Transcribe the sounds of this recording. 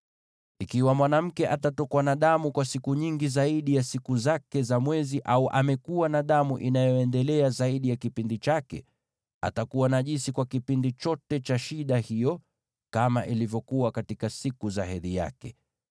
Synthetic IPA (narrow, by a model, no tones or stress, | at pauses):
ikiwamwanam̩kɛʔatatɔkwanaɗamukwasikuɲiŋɡizaiɗijasikuzakɛzamwɛziʔauʔamɛkuwanaɗamuʔinajɔɛndɛlɛazaiɗijakipindit͡ʃakɛ̰ | a̰takuwanaʄinsikwakipindit͡ʃɔtɛt͡ʃaʃiɗahijɔ | kamaʔilivjɔkuwakatikasikuzahɛðija̰kɛ